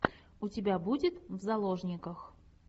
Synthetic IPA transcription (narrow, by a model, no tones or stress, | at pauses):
ʊtʲɪbʲabudʲɪt̪vzɐlˠoʐnʲɪkəx